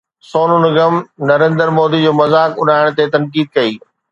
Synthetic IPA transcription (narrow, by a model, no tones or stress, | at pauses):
soːnʊnɪɡɐmnɐɾẽːnd̪əɾmoːd̪id͡ʑoːmɐzaːkʊɗaːɪɽ̃t̪et̪ɐ̃nkiːd̪̚kɐiː